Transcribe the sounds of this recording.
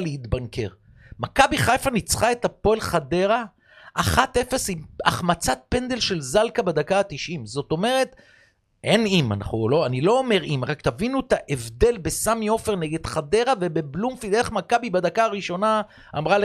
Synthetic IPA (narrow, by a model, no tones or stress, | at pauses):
leit̪banke̞̰ʁ | makabiχajfanit͡sχae̞t̪apo̞elχade̞ʁa | ʔːχat̪e̞fe̞sima̰χmat͡sat̪̚pe̞nd̪e̞lʃe̞lzalkabed̪akaːt̪iʃʔimzo̞t̪o̞me̞ʁe̞t̪ | ʔe̞nima̰na̰χnulo̞anilo̞ːme̞ʁimʁakt̪avinuet̪aʔevdelbe̞samjo̞fe̞ʁne̞ɡe̞d̪̥χad̪e̞ʁave̞be̞blumfid̪eχmakabibad̪akaːʁiʃo̞na | a̰mʁale